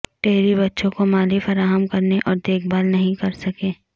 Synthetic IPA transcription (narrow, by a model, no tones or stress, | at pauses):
ʈeːɦɾibɐtːʃõkomaːlifɐɾaːɦəmkɐɾneʔɔːɾd̪eːk̚ʰbaːlnɐɦĩkɐɾsɐkẽː